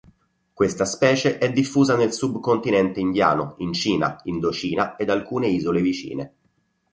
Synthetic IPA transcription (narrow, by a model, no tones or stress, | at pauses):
kwest̪aspɛːt͡ʃeʔɛd̪ːifːuːzanelsubkont̪inɛnt̪eind̪ja̰ːno̰int͡ʃiːna̰ind̪ot͡ʃiːnaed̪alkuːneiːzolevit͡ʃḭːne